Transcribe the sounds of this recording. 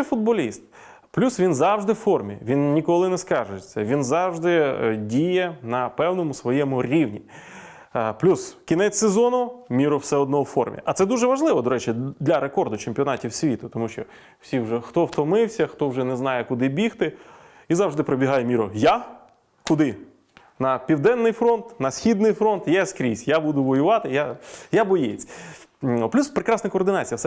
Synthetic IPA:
fʊd̪̚bɔlʲist̪̚ | plʲusʋʲinzɑwʒd̪ɪwfɔrmʲḭʋʲinnʲikɔlˠɪnɛskɑʒʊet͡sʲːɐʋʲinzɑwʒd̪ɪdʲijɛnɐpɛwnɔmʊsʋɔjɛmʊɾʲiwnʲi | plʲuskʲinɛt͡sʲsezɔnʊmʲiɾɔwsɛɔd̪̚nɔɔwfɔrmʲḭʔɐt̪sɛd̪uʒɛʋɐʒlˠɪʋɔd̪ɔɾɛt͡ʃid̪lʲɐɾekɔrd̪ʊt͡ʃemʲpʲiɔnɑtʲiwsʲʋʲit̪ʊt̪ɔmuʃt͡ʃɔ | w̥sʲiwʒɛxt̪ɔwt̪ɔmɪwsʲɐxt̪ɔwʒɛnɛznɑjɛkʊd̪ɪbʲixt̪ɪ | izɑʐd̪ɪpɾɔbʲiɦɑjɛmʲiɾɔja | kʊd̪ɪ | nɐpʲiwd̪ɛnːɪjfɾɔnt̪nɐsʲxʲid̪nɪjfɾɔnt̪jɛskɾʲisʲjabud̪ʊʋɔjʊʋɑt̪ɪjajabɔjet͡sʲ | plʲuspɾekɾɑsnɐkɔːrd̪ɪnɑt͡sʲijɐsɛ

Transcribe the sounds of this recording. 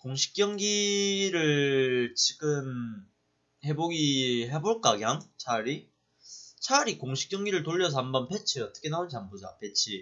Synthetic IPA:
koŋɕʰi̥k͈̚jʌŋɡiɾɯɭt͡ɕiɡɯm | he̞boɡiɦe̞boɭk͈aɡjaŋt͡ɕʰaɾi | t͡ɕʰaɾikoŋɕʰi̥k͈jʌŋɡiɾɯɭtoʎːʌs̬ʰʌambʌnpʰet͡ɕʰiʌt͈ʌ̥kʰenaont͡ɕaŋbod͡ʑa̰pe̞t͡ɕʰi

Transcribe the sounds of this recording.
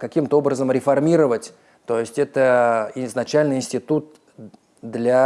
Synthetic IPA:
kɐkʲimt̪əo̞bɾəzəmɾʲɪfɐrmʲiɾəvətʲ | t̪o̞jɪsʲtʲɛt̪əɪznɐt͡ɕælʲnɨjɪnʲsʲtʲɪt̪ut̪̚ | d̪lʲa

